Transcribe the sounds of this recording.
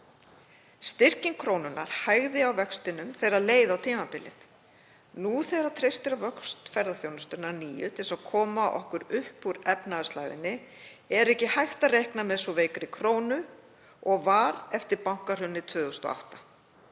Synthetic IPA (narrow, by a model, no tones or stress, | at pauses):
st̪ɪr̥cɪŋkʰɾoːwnʏnːaɾ̥hajɣðɪawvɛkst̪ɪnʏmθejɾaðleːjðawt̪ʰiːmapɪlɪ̰θ | nuθeːɾat̪ʰɾejst̪ɪɾavœkst̪fɛɾðaθjownʏst̪ʏnːaɾniːjʏt̪ʰɪlsawkʰɔːmaʔɔ̰hkʏɾʏhpuɾɛpnaðsla̰jðɪ̰nːɪ | ɛɾɛhcɪhajht̪arejhknamɛðsɔvejkɾɪkʰɾoːwnʏ | ɔɣvaɾɛft̪ɪɾpawŋ̥kar̥ʏnːɪt̪ʰvʏːðʏst̪ɔ̰a̰ht̪ḁ